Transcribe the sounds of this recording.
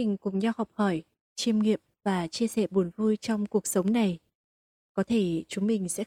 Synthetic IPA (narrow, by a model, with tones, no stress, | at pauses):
i˨˩ŋ̟kʊ̰˧˨˩ŋ͡mɲa˧whɔ˨˩wk͡p̚hɔ˧˩j | t͡ɕi˧əmŋḭ˧˨əm̚vaː˨˩t͡ɕi˧əsɛ̰˧˩ɓu˨˩ənvu˧jt͡ɕɔ˧wŋ͡mku˨˩ək̚sə˨˦wŋ͡mna˨˩j | kɔ˨˦t̪ʰe˧˩t͡ɕʊ˨˦ŋ͡mmï˨˩ŋ̟sɛ̰˧˥